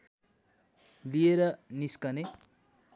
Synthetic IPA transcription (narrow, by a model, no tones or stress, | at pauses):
lieɾʌniskʌne